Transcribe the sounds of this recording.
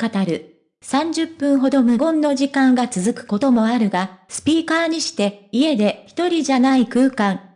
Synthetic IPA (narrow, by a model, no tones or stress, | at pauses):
kat̪aɾɯ̟ | sãɲ̟d͡ʑɨpːɯ̟̃ɰ̃ɦo̞d̪o̞mɯ̟ɡõ̞nːo̞ʑikãŋɡat͡sɨzɨkɯ̟̥ko̞t̪o̞mo̞aɾɯ̟ɡasɨ̥pʲiːkaːɲ̟iɕi̥t̪e̞ie̞d̪e̞çi̥t̪o̞ɾʲiʑanaikɯ̟ːkãŋ